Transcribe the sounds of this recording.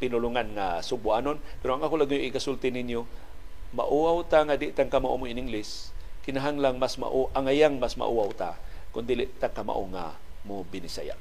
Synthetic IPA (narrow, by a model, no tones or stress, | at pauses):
pɪnʊlʊŋanŋa̰sʊbʊʔanonpɛɾoaŋʔakolaɡɲoʔɪkasʊlt̪ɪnɪnjo | ma̰ʔuawt̪aŋad̪ɪʔt̪aŋkamaʔo̰moɪnɪŋɡlɪskɪnaɦaŋlaŋmasma̰ʔʔaŋajaŋmasma̰ʔuawt̪a̰ | kʊnd̪iːlɪʔt̪akama̰ʔoŋa̰ | mobɪnɪsa̰ja̰ʔ